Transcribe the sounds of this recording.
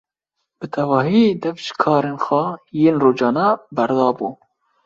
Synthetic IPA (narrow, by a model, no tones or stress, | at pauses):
b̥ɨt̪ʰɛvɑːɦiːd̪ɛvʃkʰɑːɾeːnxʷɑjeːnroːd͡ʒɑːnɑbæɾd̪ɑːbuː